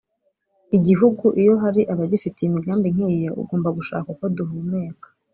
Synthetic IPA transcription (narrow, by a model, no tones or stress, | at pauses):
iɟiɦuɡuʔijo̞ɦaɾiʔaβaɟifiteimiɡaːmbiŋ̥iːjeʔṵɡo̞ːmbaɡuʃa̰ːkakoduɦumeːkḁ